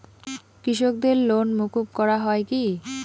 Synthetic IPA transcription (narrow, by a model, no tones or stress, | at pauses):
kɾiʃok̚d̪eɾlonmukub̚kɔɾaɦɔeki